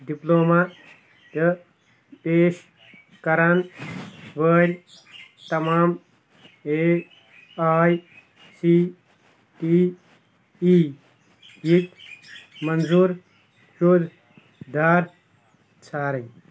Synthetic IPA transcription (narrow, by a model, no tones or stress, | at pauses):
ɖiploːma | t̪ɐ | d̪eːʃ | kɐɾan | ʋəːɾʲ | t̪ɐmaːm | e | aːj | siː | ʈi | i | jit̪ | mɐnzuːɾ | joːd̪ | d̪aːɾ | t͡sʰaːɾɐ̃ɲ